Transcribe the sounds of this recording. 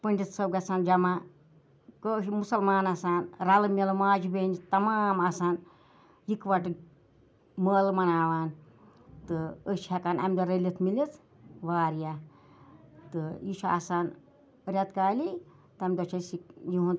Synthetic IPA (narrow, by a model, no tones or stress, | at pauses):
pəɳɖʲit̪sɐwɡɐt͡sʰaːnd͡ʒɐma | kəːʃmusɐlmaːnɐsaːnɾɐlɐmʲilmaːd͡ʒibeːnd͡ʒit̪ɐmaːmɐsaːn | jikʋɐʈ | məːlmɐnaːʋaːn | t̪ɨəʃhɐkaːnɐ̰md̪ɐɾɐlʲit̪ʰmilit͡s | ʋaːɾja | t̪ɨiʃʰua̰saːn | ɾʲɐt̪kaːli | t̪ɨɐmd̪ot͡ʃʰɐsikjiɦun